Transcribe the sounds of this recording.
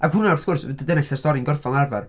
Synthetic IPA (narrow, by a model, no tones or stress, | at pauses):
ʔaɡhʊnaɔθkʰʊrsdədənɛksɛstɔɾinɡɔrfɔnˠarvar